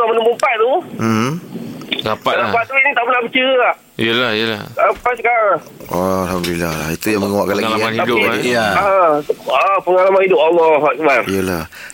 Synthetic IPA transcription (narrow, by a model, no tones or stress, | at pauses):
amənambəmpat̚nu | ɡapaadabaduiʔnĩt̪aʔbəlabət͡ʃiɾəah | ijəlaijəlaapajsəkaɾaŋh | aalhamd̪ulilaait̪ujaŋməŋawaʔkanlaɡiaadija | əpəŋalamaŋhidʊp̚alːɔbaʔkəbarijəlah